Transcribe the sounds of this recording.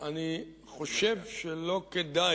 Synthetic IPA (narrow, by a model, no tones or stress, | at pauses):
ani | χo̞ʃevʃelo̞ked̪a